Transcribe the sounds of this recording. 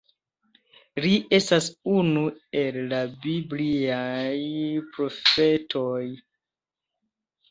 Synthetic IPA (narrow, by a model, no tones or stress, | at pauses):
lie̞stasunue̞lːabibliajpɾo̞fe̞tʰo̞j